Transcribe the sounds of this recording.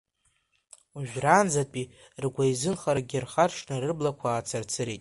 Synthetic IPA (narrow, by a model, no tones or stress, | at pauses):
uʒᶣraːnd͡zatʼi | rɡʷajzɨnχaɾaɡʲɪrχarʂnɨrɨblakʷʰaːt͡sʰart͡sʰɨɾejtʼ